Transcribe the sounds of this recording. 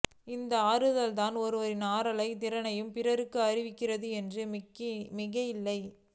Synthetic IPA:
ɪnd̪ɐaːɾɯðɐlt̪aːnɔɾɯʋɐɾɪnaːɾɐlɐɪt̪̬ɪɾɐnɐjɯmpɪrɐɾɯkːɯɐɾɪʋɪkːɪrɐðɯɛndrɯmɪɣɐjɪlːɐɪ

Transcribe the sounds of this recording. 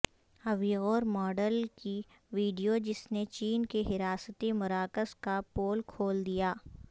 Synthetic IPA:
ɐʋiːɣoːɾmɔːɖəlki | ʋiːɖijod͡ʒɪsnet͡ʃiːnkeɦɪɾaːsət̪imʊɾaːkəskapoːlkʰoːld̪ijaː

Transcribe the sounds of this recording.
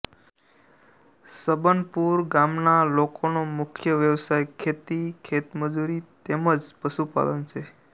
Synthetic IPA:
səbənpuɾɡamnalokonomʊkʰjəʋjəʋsajkʰet̪ikʰet̪məd͡ʒuɾit̪eməd͡ʒpəʃupa̰lənt͡ʃʰe

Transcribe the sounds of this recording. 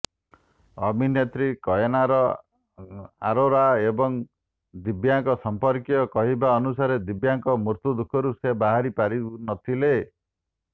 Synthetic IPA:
ɔminjet̪ɾikɔjenaɾɔ | a̰ɾoɾaebɔŋ | d̪ibjaŋkɔsɔmpɔɾkjɔkɔɦibaɔnusaɾed̪ibjaŋkɔmuɾt̪ud̪ukʰːɔɾusebaɦaɾipaɾinɔt̪ʰile

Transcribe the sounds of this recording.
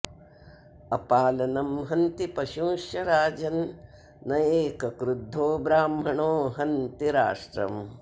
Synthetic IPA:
ɐpaːlɐnɐmɦɐnt̪ipɐʃũːʃjɐɾaːd͡ʒɐnː | ɐjeːkɐkɾud̪ʱoːbɾaːmɦɐɳoːɦɐnt̪iɾa̰ːʂʈɾɐ̰m

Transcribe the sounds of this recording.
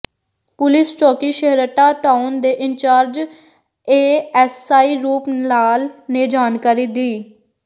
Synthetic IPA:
pʊlɪst͡ʃɔːkiːʃəɦɾəʈaːʈaːʊnd̪eːʔɪnt͡ʃaːɾd͡ʒ | eːɛsaːiːɾuːpnaːlneːd͡ʒaːnkaːɾiːd̪iː

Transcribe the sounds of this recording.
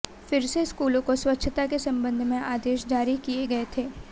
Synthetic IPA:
fɪɾseskuːlõkoswɐtːʃʰət̪akesɐ̃mbə̃nd̪ʱmẽaːd̪eːʃd͡ʒaːɾikieɡɐet̪ʰeː

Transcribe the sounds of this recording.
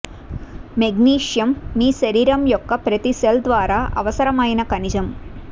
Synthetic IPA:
meɡniːʂjɐmːiːʃɐɾiːɾɐmjɔkːɐpɾɐt̪iseld̪ʋaːɾaːʔɐ̰ʋɐsɐɾɐmɐjnɐkɐnid͡ʒɐm

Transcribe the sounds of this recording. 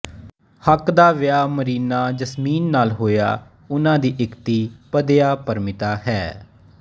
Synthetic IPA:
həkd̪aːʋɪjaːməɾiːnaːd͡ʒəsmiːnːaːlɦoːja̰ː | ʊnãːd̪iːʔɪkt̪iːpəd̪ejaːpəɾmɪt̪aːɦɛː

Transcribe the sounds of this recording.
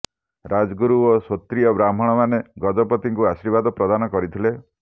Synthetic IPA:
ɾad͡ʒɡuɾuosot̪ɾijɔbɾam̤ɔɽ̃ɔmaneɡɔd͡ʒɔpɔt̪iŋkuasiɾbad̪ɔpɾɔd̪anɔkɔɾit̪ʰile

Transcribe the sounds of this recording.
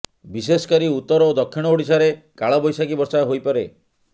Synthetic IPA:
bisesɔ̥kɔɾiut̪ːɔɾɔod̪ɔkʰːiɽ̃ɔoɽisaɾekaɭɔbɔjsakibɔɾsaɦojpɔɾe

